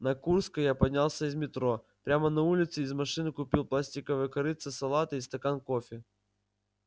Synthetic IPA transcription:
nɐkurskəjapɐdʲnʲalˠsʲəɪzmʲɪt̪ɾo | pɾʲamənɐulʲɪt̪sɨizmɐʂɨnɨkʊpʲilˠplˠasʲtʲɪkəvɨjkɐɾɨt̪sɨsɐlˠat̪ɨist̪ɐkankofʲɪ

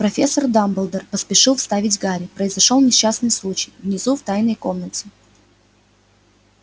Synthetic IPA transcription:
pɾɐfʲesːərd̪ambəlˠd̪ərpəspʲɪʂɨlˠfst̪avʲɪtʲvɡaɾʲɪpɾəɪzɐʂolˠnʲɪɕːasnɨjslˠut͡ɕɪjvnʲɪzuft̪ajnəjko̞mnətʲɪ

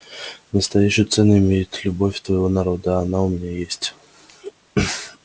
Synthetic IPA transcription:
nəst̪ɐjæɕːɪjt̪sɛnʊɪmʲejɪt̪lʲʊbofʲt̪vəjɪvo̞nɐɾo̞d̪əɐnaʊmʲɪnʲajesʲtʲ

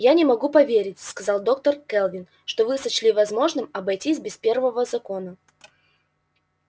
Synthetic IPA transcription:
janʲɪmɐɡupɐvʲeɾʲɪtʲskɐzɑlˠd̪o̞k̚t̪ərkɛlˠvʲɪn | ʂt̪ovɨsɐt͡ɕlʲivɐzmo̞ʐnɨmɐbɐjtʲisʲbʲɪspʲe̞rvəvəzɐko̞nə

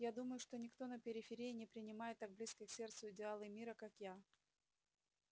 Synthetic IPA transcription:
jad̪uməjʊʂt̪o̞nʲɪkt̪o̞nəpʲɪɾʲɪfʲɪɾʲijɪnʲɪpɾʲɪnʲɪmajɪt̪ːaɡ̚blʲiskʲɪksʲe̞rt̪sʊɪdʲɪalˠɨmʲiɾəkakja

